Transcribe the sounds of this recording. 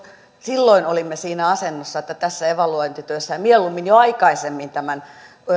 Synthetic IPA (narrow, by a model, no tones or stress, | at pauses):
silːoinolimːesiːnæɑsenːosːɑet̪ːæt̪æsːæeʋɑluoint̪yt̪øsːæɑmieolumːinjoɑikɑisemːint̪æmæn